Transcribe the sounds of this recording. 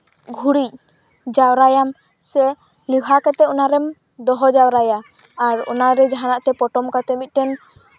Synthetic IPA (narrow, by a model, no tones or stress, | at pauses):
ɡʱuɽic̚ | d͡ʒawɾajam | sɛ | liɦakɛt̪ɛɔnaɾɛm | d̪ɔɦɔd͡ʒawɾajaː | ɾɔ̰naɾɛd͡ʒaɦanaʔt̪ɛpɔʈɔmkat̪ɛmit̪̚ˀʈɛn